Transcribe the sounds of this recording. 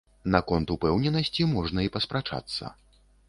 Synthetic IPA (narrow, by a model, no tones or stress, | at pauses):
nakɔnt̪upɛwnʲɛnɐsʲt͡sʲimɔʐnɐipɐspɾat͡ʂa̰t̪sːɐ̰